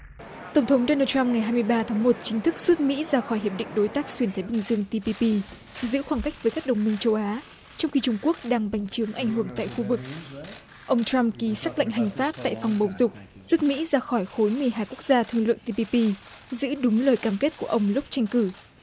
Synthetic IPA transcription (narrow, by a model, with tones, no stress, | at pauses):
t̪ə˧˩ŋ͡mt̪ʰə˨˦ŋ͡mɗo˧nəː˧t͡ɕa˧mŋa˨˩jɦaː˧jmɨ˧əjɓaː˧t̪ʰaː˨˦ŋmo˨˩t̚t͡ɕï˨˦ŋ̟t̪ʰɨ˦˥k̚z̥u˦˥t̚mḭ˧˥zaː˧xɔ˧˩jhi˨˩p̚ɗḭ˧˨ŋ̟ɗo˨˦jt̪aː˦˥k̚swi˧˩ənt̪ʰa˨˦ɓï˨˩ŋ̟zɨ˧əŋt̪i˧pi˧pi˧ | zɨ̰˧˥xwaː˧˩ŋka˦˥jk̟̚vəː˨˦jkaː˦˥k̚ɗə˨˩wŋ͡mmï˧ŋ̟t͡ɕə˧wʔaː˨˦ | t͡ɕɔ˧wŋ͡mxi˧t͡ɕʊ˧ŋ͡mku˦˥ək̚ɗaː˧ŋɓa˨˦jŋ̟t͡ɕɨ˨˦əŋʔa˧˩jŋ̟ɦɨ˧˩əŋt̪a̰ː˧˨jxu˧vɨ˨˩k̚ | ʔə˧wŋ͡mt͡ɕɾa˧mki˨˦saː˦˥k̚la̰˧˨ŋ̟ɦa˨˩jŋ̟faː˦˥p̚t̪a̰ː˧˨jfɔ˨˩wŋ͡mɓə˨˩wzʊ˨˩k͡p̚ | zu˦˥t̚mḭ˧˥zaː˧xɔ˧˩jxo˨˦jmɨ˨˩əjɦaː˧jku˦˥ək̚zaː˧t̪ʰɨ˧əŋlwɨ̰˧˨əŋt̪i˧pi˧pi˧zɨ̰˧˥ɗʊ˨˦ŋ͡mləː˨˩jkaː˧˩mke˦˥t̚ku˧˩əʔə˧wŋ͡mlʊ˦˥k͡p̚t͡ɕa˧jŋ̟kɨ˧˩